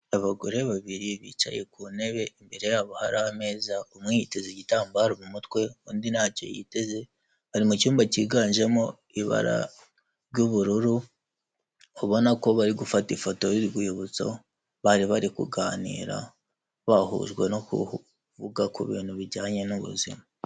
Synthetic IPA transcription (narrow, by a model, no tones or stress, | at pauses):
aβaɡoɾeβaβiɾiβḭːt͡ʃa̰je̞kuːne̞βe̞imbe̞ɾe̞jaːβohaɾahame̞ːzaomŋihitezeɟitaːmbaaɾomumutwe̞uːndinaːco̞̰jḭte̞ze̞ | βaɾimucuːmbaciːɡaːɲʒe̞mo | iβa̰ɾa̰ | ɾɟuβuɾuɾu | oβo̞nako̞βaɾiɡufatifoto̞ɾiɾɡujoβut͡so̞̰ | βaɾiβaɾikuɡaːnḭːɾa̰ | βahṵːʒɡwe̞no̞kṵh | vuɡakuβḭːn̥huβiɾɟaːɲe̞nuβṵzḭma